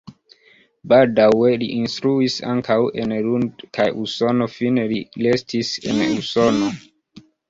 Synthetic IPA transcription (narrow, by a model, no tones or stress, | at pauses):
baldawe̞liʔinstɾuisa̰ŋkʰawenlundkajʔuso̞no̞finelilestʰise̞̰nuso̞no̞